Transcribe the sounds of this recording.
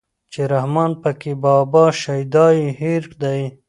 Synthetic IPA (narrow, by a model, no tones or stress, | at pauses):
t͡ʃeɾahmɑːnpəkebɑːbɑʃajd̪ɑihiɾkd̪aj